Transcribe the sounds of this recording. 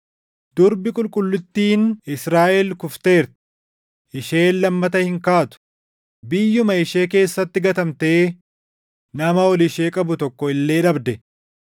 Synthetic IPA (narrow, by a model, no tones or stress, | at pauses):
d̪̥ʊɾbɪkʼʊlkʼʊlːʊt̪ːiːnɪsɾaːʔɛlkʊft̪e̞ːɾt̪ɪ̥ | ʔɪʃe̞ːnːɐmːɐt̪̬ɐhɪŋkaːt̪ʊ̥ | bɪjːʊmɐɪʃeːke̞ːsːɐt̪ːɪɡɐt̪ɐmt̪eː | nɐmɐɔlɪʃeːkʼɐbʊt̪ɔkːɔɪlːe̞ːᶑɐbd̪ɛ